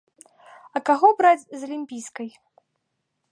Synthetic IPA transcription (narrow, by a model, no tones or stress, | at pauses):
ɐkaɣɔbɾad͡zʲzɐlʲimʲpʲijskɐj